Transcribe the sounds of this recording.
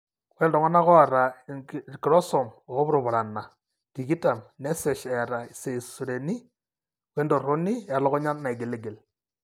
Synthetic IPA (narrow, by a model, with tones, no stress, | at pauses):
wɛ˦ndɔ˨ŋɔ˦na˦kɔ˦a˨ɾa˨kɾɔ˦sɔ˨mɔ˨ɔ˦βɾo˨βʊ˨ɾa˨na˨ | ki˨ɡi˦ta˨mnɛ˦sɛ˨ʃɛ˨ɾa˨i˨se˨su˨ɾe˨ni˦ | we˦ndo˨ɾo˦ni˦a˨lɔ˦kɔ˦ɲa˦na˨i˨ɡe˨le˦ɡe˨l